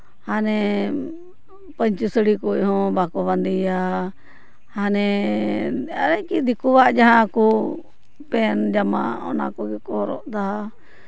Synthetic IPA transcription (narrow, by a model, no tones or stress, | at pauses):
hanɛ | pəɲt͡ʃisəɽikɔjɦɔ̃bakɔband̪ija | hanɛ | aɾajkid̪ikuwaʔd͡ʒaɦãku | pɛnd͡ʒama̰ɔ̰na̰kɔɡɛkɔɾɔ̰ʔd̪a